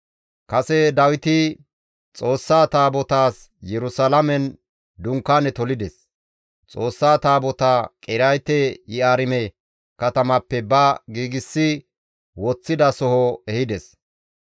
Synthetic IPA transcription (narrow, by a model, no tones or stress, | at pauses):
kɐsɛd̪ɐwɪt̪ɪ | t͡sʼo̞ːsːaːt̪aːbɔt̪aːs | jɛɾʊsalɐmɛn | d̪ʊŋkːaːnɛt̪ɔlɪd̪ɛs | t͡sʼo̞ːsːaːt̪aːbɔt̪akʼɪɾɐjt̪ɛjɪaːɾɪmɛ | kɐt̪ɐmɐpːɛbɐɡiːɡɪsːɪ | wɔt͡sːɪd̪ɐsɔhɔɛhɪd̪ɛs